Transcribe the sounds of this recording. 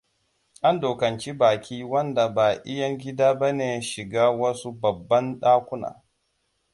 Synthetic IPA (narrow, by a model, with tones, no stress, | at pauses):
ʔa˦ndoː˨kɐ˨nt͡ʃi˦baː˨kʲʰiː˦wɐ˦nda˨baː˨ʔɪ˦jɐ˦ŋɡʲɪ˦daː˦bɐ˦neː˨˦ʃɪ˨ɡaː˦wɐ˦su˦bɐ˨bːɐ˦nɗaː˦kʷʊ˦na̰ː˨